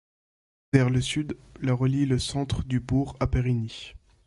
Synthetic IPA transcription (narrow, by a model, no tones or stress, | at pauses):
vɛʁləsyd̪laʁəliləsɑ̃t̪χd̪ybuʁapeʁini